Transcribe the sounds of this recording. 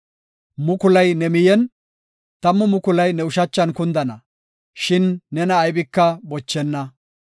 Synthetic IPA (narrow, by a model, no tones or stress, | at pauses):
mʊkʊlɐjnɛmɪjɛn | t̪ɐmːʊmʊkʊlɐjnɛʊʃɐt͡ʃːɐnkʊnd̪ɐnɐ | ʃɪnːɛnɐːjbɪkːɐbɔt͡ʃːɛnːɐ